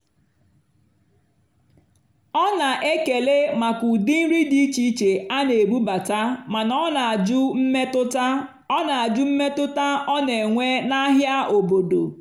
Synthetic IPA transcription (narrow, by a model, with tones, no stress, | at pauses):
ɔ˦na˨ʔe˦ke˨le˦ma˨ku˨dɪ˦n̩˦ɾi˦di˦t͡ʃi˦t͡ʃe˨a˦ne˨bu˦ba˨ta˦ma˨nɔ˦na˨d͡ʒʊ˦m̩˦me˦tʊ˦ta˦ | na˨a˨d͡ʒʊ˦m̩˦me˦tʊ˦ta˦ɔ˦ne˨ŋʷe˦na˦ɦja˦o˨bo˨do̰˨